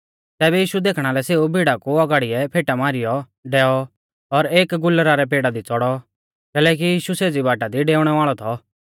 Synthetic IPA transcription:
t̪ɛːbɛjiːʃud̪eːkʰɽ̃aːlɛseːubʱiːɽakuɐɡaːɽɪɛpʰeːʈamaːɾɪjɔ | ɖɛːɔ | ɔɾeːkɡʊlːɾaɾɛp̬eːɽad̪it͡sɔɽɔ | kɛːlɛːk̬ijiːʃuseːd͡zibaːʈad̪iɖeːʊɽ̃ɛʋaːɭɔt̪ʰɔ

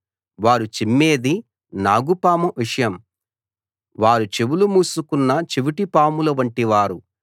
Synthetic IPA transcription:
ʋaːɾut͡ʃimːe̞ːd̪i | naːɡupaːmuʋiʂɐjɐm | ʋaːɾut͡ʃeʋulumuːsukunːɐt͡ʃiʋiʈipaːmulɐʋɐɳʈiʋaːɾu

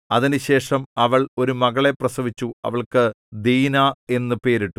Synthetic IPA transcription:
ɐðinɨɕe̞ːʂɐmɐʋɐɭo̞ɾumɐɣɐɭe̞prɐsɐʋit͡ɕːuɐ̰ʋɐɭkɨ | d̪iːnaːe̞nːɨpe̞ːɾiʈːu

